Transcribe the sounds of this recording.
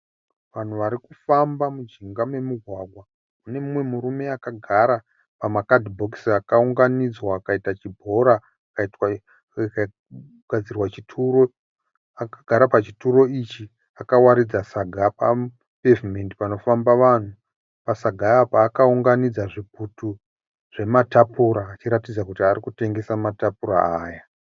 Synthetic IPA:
ʋan̤uʋaɾikufambamud͡ʒiŋɡamwe̞muɡʱwaɡʱwa | une̞mumwe̞muɾume̞akaɡʱaɾa | pamakadibʱo̞ksiakauŋɡanid͡zwaːkaitat͡ʃibʱo̞ɾa | akaitwa | ka | ɡʱad͡zirwat͡ʃitʰuɾo̞ | akaɡʱaɾapat͡ʃituro̞it͡ʃi | akawaɾid͡zasaɡʱapa̰ | pevime̞ndipano̞fambaʋan̤u | pasaɡʱaːpaːkauŋɡanid͡zaʐiputu | ʐ̥e̞matapuɾaːt͡ʃiɾatid͡zakutiaɾikute̞ŋɡe̞samatapura̰aːja

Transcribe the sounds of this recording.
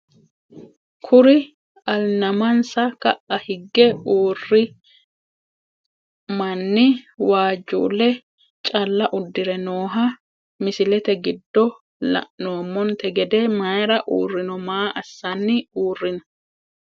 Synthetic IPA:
kʰʊɾɪ | ɐlnɐmɐnsɐkɐʔɐhɪɡːɛuːrːɪ | mɐnːɪwaːd͡ʒːṵːlːɛ | t͡ʃʼɐlːɐʔʊd̪ːɪɾɛnoːɦɐ | mɪsɪlɛt̪ɛɡɪd̪ːɔ | lɐ̰noːmːɔnt̪ɛɡɛd̪ɛmajɾɐʔuːrːɪnɔmaːʔɐsːɐnːɪuːrːɪnɐ

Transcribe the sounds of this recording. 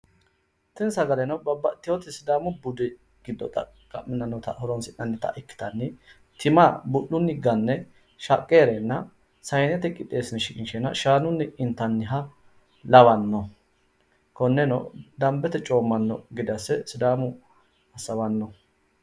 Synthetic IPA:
t̪ɪnsɐɡɐlɛnɐbɐbɐt̪ːɪjɔt̪ɪsɪd̪aːmʊbʊd̪ɛ | ɡ̥ɪd̪ːɔ̰t̪ʼɐ̰ | kʼɐʔːɪnːɐnːɔt̪ɐ̰hɔɾɔnsɪnːɐnːɪt̪ɐ̰ʔɪkːɪ̥t̪ɐnːɪ | t̪ɪmabʊʔːʊnːɪɡɐnːɛ | ʃɐkʼːeːɾenːɐ | sɐjnɛt̪ɛkʼɪt̪ʼːeːsɪnʃɪkʼɪnʃɛnɐ̰ʃaːnʊnːɪɪnt̪ːɐnːɪɦɐ | lɐwɐnːɔ | kɔnːɛnɔ̰d̪ɐmbɛt̪ɛt͡ʃʼo̞ːmːɐnːɔ̰ɡɪd̪ɐsːɛsɪd̪aːmʊ | ɐsɐwɐnːɔ

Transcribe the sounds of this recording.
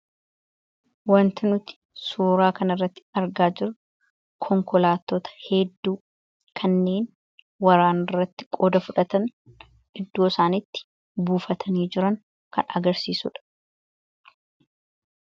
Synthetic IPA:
wɐnt̪ɪnʊt̪ɪ̥ | suːɾaːkɐnɐrːɐt̪ːɪ̥ɐɾɡaːd͡ʒɪɾʊ | kʰɔŋkɔlaːt̪ːoːt̪ɐ̥hɛd̪ːuː | kʰɐnːe̞ːn | wɐɾaːnɪrːɐt̪ːɪ̥kʼoːd̪ɐfʊᶑɐt̪ɐn | ɪd̪ːoːsaːnɪt̪ːɪ̥ | buːfɐt̪ʰɐniːd͡ʒɪɾɐŋ | kɐ̰nɐ̰ɡɐɾsiːsʊ̰ᶑɐ̥

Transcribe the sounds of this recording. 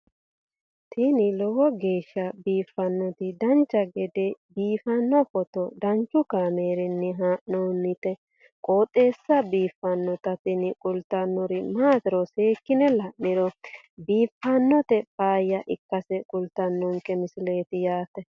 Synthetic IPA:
t̪inɪlɔwɔɡeːʃːɐbiːfːɐnːɔt̪ɪd̪ɐnt͡ʃːɐɡɛd̪ɛbiːfɐnːɔfɔt̪ɔd̪ɐnt͡ʃːʊkaːmeːɾɪnːɪɦaːʔnoːnːɪt̪ɛ | kʼoːt̪ʼːe̞ːsːɐbiːfːɐnːɔt̪ɐt̪ɪnɪkʼʊlt̪ːɐnːɔɾɪmaːt̪ɪɾɔseːkːɪnɛlɐʔɪɾɔ | biːfːɐnːɔt̪ɛpaːjːɐʔɪkːɐsɛkʼʊlt̪ɐnːɔŋkɛmɪsɪle̞ːt̪ɪjaːt̪ɛ

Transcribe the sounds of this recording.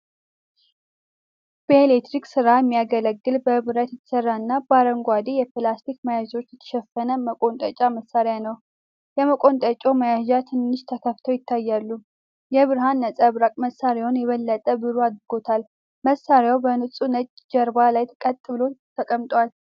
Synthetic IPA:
b̥əelekt̪ɾiksɨɾajɛmːijaɡələɡːɨlbəβɨɾət̪jɪt̪ʰːsərːaɨnːabaɾəŋɡʷad̪ejɛpɨlast̪ʰikməjaʒo̞t͡ʃːjɛt̪ʰə̥ʃɛfːənəməkʼo̞nt̪ʼət͡ʃʼaməsːaɾejanəw | jɛməkʼo̞nt̪ʼət͡ʃʼo̞məjaʒat̪ʰɨnːɨʃt̪ʰəkʰəft̪ʰəwjɪt̪ʰːajːalːu | jɛβɨɾɦanːət͡sʼəβɾakʼməsːaɾjawʊnjɛβəlːət̪ʼəbɨɾuad̪ɾɨɡo̞t̪ʰal | məsaɾjawbənɨsʼunət͡ʃʼd͡ʒəɾbalajt̪ʰkʼət̪ʼːɨβlo̞t̪ʰəkʼəmt̪ʼwal

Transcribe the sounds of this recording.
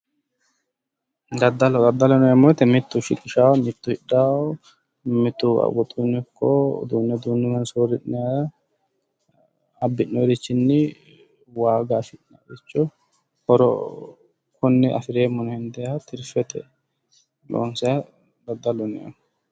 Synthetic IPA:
d̪ɐd̪ːɐlɔd̪ɐd̪ːɐlɔnɛjɐmɔt̪ːɛmɪt̪ːʊʃɪkʼːɪʃaːwmɪt̪ːʊhɪᶑːaːɔ | mɪt̪ːʊɐ̰wɔt̪ʼːunːɛkʰːɔd̪uːnːɛd̪uːnːɪmɐnsoːɾɪʔnɛja | ɐbːɪʔːɔɾɪt͡ʃːɪnːɪ | waːɡaːfɪʔna̰ːɛt͡ʃːɔ | hɔɾɔ̰ | kʰʊnːɛʔɐ̰fɪɾeːmːɔnɔhɪnd̪ɛjat̪ʰɪɾfɛt̪ʰɛ̰ | lʔo̰ːnsɛjɐ | d̪ɐd̪ːɐlɔnɛjɐ̰mɔ

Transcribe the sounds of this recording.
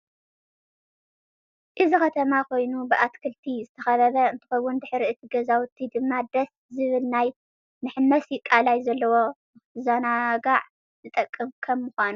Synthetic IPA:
ʔɨzixɐt̪ʰɐmako̞jnubɨʔat̪kʰɨlt̪ʰizɨt̪ʰɐxɐβɐβɐɨnt̪ʰɨ̥xɐwːʊnd̪ɨħɾiɨt̪ʰiɡɐzawt̪ʰːid̪ɨmːad̪ɐs | zɨβɨlnaj | mɨħɨmːɐsjɪkʼːalajzɐlːɐwo̞ | zanaɡaʕ | zɨt̪ʼɐkʼːɨmkʰɐmːʊxʷanu

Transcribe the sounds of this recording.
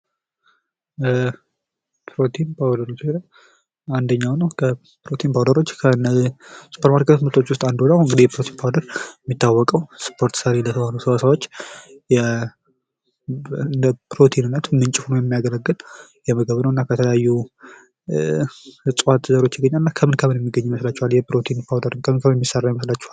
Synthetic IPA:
pʰɾo̞t̪ʰinpʰawd̪əɾo̞t͡ʃːla | and̪əɲːawnəwkʰə | pɾo̞t̪ʰinpʰawd̪əɾo̞t͡ʃːkʰənəsu̥pʰəɾmaɾkʰet̪t̪mɨt̪ʰʼot͡ʃːwʊst̪ʼand̪olawɨŋɡɨd̪ihjɛpɾot̪ʰinpʰawd̪əɾjɛmːit̪ːawːɔkʼəwspʰo̞ɾt̪səɾelət̪ʰəβalusəβasawo̞t͡ʃː | jɛ | ɨnd̪əpʰɾo̞t̪ʰinɨnːət̪mɨnt͡ʃʼɪfonojɛmːijaɡələɡːɨljɛməɡəβnəwɨnːakʰət̪ʰələjajːu | hɨsʼwat̪ːzəɾo̞t͡ʃːjɪɡːəɲːaɨnːakʰəmɨnkʰəmɨnjɛmːiɡːəɲːməslat͡ʃːɛhwaljɛpɾo̞t̪ʰinpʰawdəɾɨnkʰəmɨnkʰəmɨnjɛmːisərːajməslat͡ʃːɛ̥hal

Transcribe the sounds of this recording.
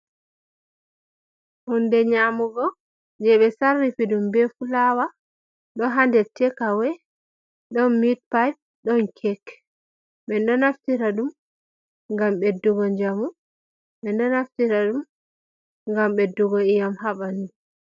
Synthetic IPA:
hundɛɲamuɡɔ | d͡ʒɛɓɛsarːifiɗumbɛfulawa | ɗɔɦandɛtːɛkawɛ | ɗɔnmit̚paj̚ | ɗɔnkʰɛk | ɓɛnɗɔnaftiɾaɗum | ŋɡamɓɛduɡɔɲd͡ʒamu | ɓɛnɗɔnaftiɾaɗum | ŋɡamɓɛduɡɔijamhaɓani

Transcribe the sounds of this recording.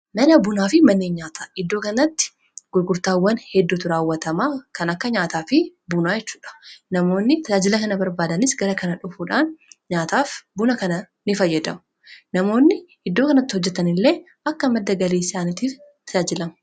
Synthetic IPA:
nɐnɐbʊnaːfɪmɐnːeːɲɲaːt̪ʰɐɪd̪ːo̞ːkɐnɐt̪ːɪ̥ | ɡ̥ʊɾɡʊɾt̪aːwːɐnhɛd̪ːut̪ʊɾaːwːɐt̪ɐmaːkɐnɐkːɐɲaːt̪aːfɪbʊnaːjɛt͡ʃːuːᶑɐ̥nɐmo̞ːnːɪt̪ɐd͡ʒaːd͡ʒɪlɐkɐnɐbɐɾbaːd̪ɐnɪsɡɐɾɐkɐnɐᶑʊfuᶑaːnɲaːt̪aːfbʊnɐkɐnɐ | nɪfɐjːɐd̪ɐmʊ | nɐmo̞ːnːɪhɪd̪ːoːkɐnɐt̪ːɪ̥hɔd͡ʒːɛt̪ːɐnɪlːe̞ː | ɐkːɐmɐd̪ːɐɡɐlesaːnɪt̪iːft̪ɐd͡ʒaːd͡ʒɪlɐmɐ

